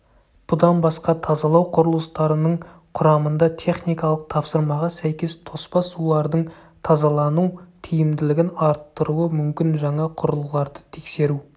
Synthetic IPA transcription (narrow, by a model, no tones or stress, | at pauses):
b̥ʊd̪ɑnbɑsqɑt̪ʰɑzɑlˠɑwqʰʊɾəlˠəst̪ɑɾənəɴ | qʰʊɾɑmənd̪ɑt̪ʰe̞χnijkɑlˠəq̚t̪ʰɑpsəɾmɑʁɑsæjkʲe̞st̪ʰo̞spɑsulˠɑɾd̪əɴ | t̪ʰɑzɑlˠɑnuwt̪ʰijɪmd̪ɪlɪɡʲɪnɑɾt̪ːəɾuəmʏmkʲɪnʒɑɴɑqʰʊɾəlˠəlˠɑɾd̪ət̪ʰe̞kse̞ɾu